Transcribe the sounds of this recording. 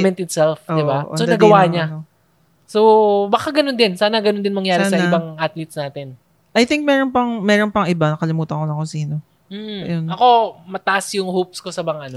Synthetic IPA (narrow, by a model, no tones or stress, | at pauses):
mɛnt̪ɪt̪sɛlfoɪʔbaʔo̰sod̪ɐɡɐwaːɲɐo | sobɐkaɡɐnond̪ɪnsaːnɐɡɐnond̪ɪnmɐŋjaːɾsɪaːnsɐɪbaŋʔat̪lit̪snaːt̪ɛn | ʔɐjθɪŋk̚mɛːɾonpɐŋmɛːɾonpɐŋʔɪbanɐkɐlɪmuːt̪ɐŋkolɐŋkonsiːno̞ | m̩̰jonɐko̞mɐt̪aʔɐsjʊŋhop̚skosɐbɐŋaʔɐno